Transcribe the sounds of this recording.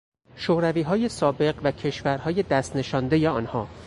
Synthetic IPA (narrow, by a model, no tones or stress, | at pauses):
ʃoːɾæviːɦɒːje̞sɒːbe̞ɢvæcʰe̞ʃvæɾhɒːje̞d̪æst̪ne̞ʃɒːnd̪e̞jeɒːnhɒː